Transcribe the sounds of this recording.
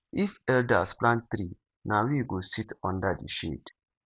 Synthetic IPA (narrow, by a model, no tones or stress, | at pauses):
ifɛldasplãn̚t̪ɾi | nawiɡusitɔ̃ndadḭʃḛd